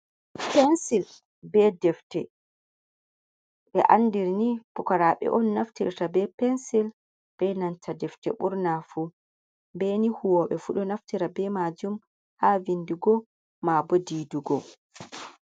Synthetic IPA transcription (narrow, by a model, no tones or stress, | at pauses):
pɛnsil | bɛdɛftɛ | ɓɛʔandiɾnipukaɾaɓɛ̰ʔɔnːaftḭɾtabɛpɛnsil | b̥ɛnantʰadɛftɛ̰ɓuɾnafu | bɛnihuwɔɓɛfuɗɔnaftiɾabɛmad͡ʒum | havindiɡɔ | mabodiːduɡɔ